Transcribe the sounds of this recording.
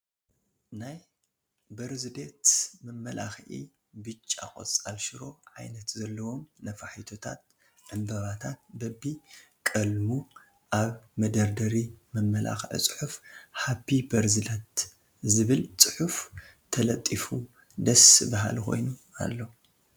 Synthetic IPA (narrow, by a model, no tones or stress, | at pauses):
naj | bɐɾzɨd̪et̪mɨmːɐlʔa̰xʕḭ | bɨt͡ʃʼːa̰kʼo̰t͡sʼalʃɪɾo̞ʕa̰jnɐt̪zɐlːɐwo̞mnɐfaħit̪ʰo̞t̪ʰat̪̚ | ʕɨmbɐβat̪ʰat̪̚bɐbːi | kʼɐlmu | ʔaβmɐd̪ɐɾd̪ɐɾimɨmːɐlʔa̰xʕḭt͡sʼɨ̥ħufħabibɐɾzɨd̪ɐt̪ | zɨβɨlsʼɨħuf | t̪ʰɐlɐt̪ʼːifu | d̪ɐsɨbaɦa̰lxʰo̞̰jnua̰lːo̞